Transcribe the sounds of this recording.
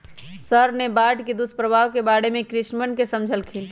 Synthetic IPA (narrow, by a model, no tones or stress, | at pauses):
səɾnebaʈked̪uspɾəbʱaʋkebaɽemẽkɾɪʃnmənkesəmd͡ʒʱəlkʰin